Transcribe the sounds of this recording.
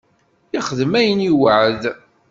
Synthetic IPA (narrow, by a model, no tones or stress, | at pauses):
iχəðmæjəniwəʕəð